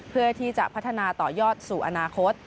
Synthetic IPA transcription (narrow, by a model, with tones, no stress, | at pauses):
pʰɯ˥˩ɐt̪ʰiː˥˩t͡ɕa˨˩ʔpʰa˦˥t̪ʰːa˧naː˧t̪ɔː˨˩jɔː˥˩t̪̚suː˨˩ʔa˧naː˧kʰo˦˥t̪̚